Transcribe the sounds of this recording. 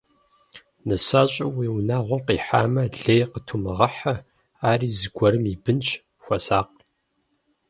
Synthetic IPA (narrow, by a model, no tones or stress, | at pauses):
nɐsaːɕʼɐwiːwnaːʁʷɔqiːħa̰ːmɐɮejqətʰumɨʁɐħɐ | aːriːzɨɡʷɔɾɨmiːbɨnt͡ʃʰ | xʷɐsaːq̚